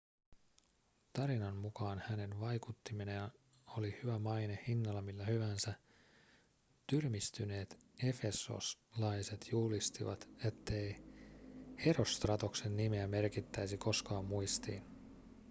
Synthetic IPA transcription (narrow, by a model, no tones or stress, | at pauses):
t̪ɑɾinɑnmukɑːnhæne̞nʋɑjkut̪ːiminejɑ | o̞lihyʋæmɑjne̞hinːɑlɑmilːæhyʋæːnsæ | t̪yrmist̪yne̞ːt̪ | e̞fe̞so̰slɑjse̞t̪ʰjuːlist̪iʋɑ̰t̪e̞t̪ːe̞j | he̞ro̞st̪rɑt̪o̞kse̞nːimeæme̞rkit̪ːæjsiko̞skɑːmːujst̪ḭːn